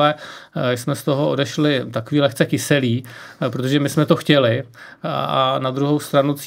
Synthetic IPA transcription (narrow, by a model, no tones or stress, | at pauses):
ɛsmɛst̪o̞ɦoʔodɛʃlɪt̪akoviːlɛxt͡sɛkɪsɛliːpɾot̪oʒɛmɪsmɛt̪o̞xcɛlɪ | anad̪ɾuɦowst̪ɾanut͡s